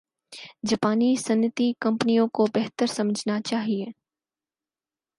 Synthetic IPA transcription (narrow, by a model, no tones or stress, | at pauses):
d͡ʒɐpaːnisɐnjɪt̪ikɐ̃mpənijõkobɛɦt̪əɾsɐməd͡ʒʱnat͡ʃaːɦieː